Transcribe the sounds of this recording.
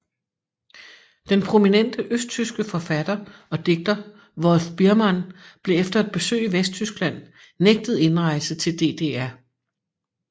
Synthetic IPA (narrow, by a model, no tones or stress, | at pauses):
d̥enpʰʁo̝minen̰d̥əʔøsd̥̚t͡sʰysɡ̥əfɒ̽fæd̥ɐɒ̽d̥e̝ɡ̥̚d̥ɐ | ʋɒ̽lfb̥iɐmænb̥le̝efd̥ɐed̥̚b̥e̝sø̰ːiʋesd̥̚t͡sʰysɡ̥læn̰ | neɡ̥̚d̥ð̞̩ˠe̝nʁɑ̈ɪlsət͡sʰe̝ld̥e̝̰ːd̥e̝̰ːæɐ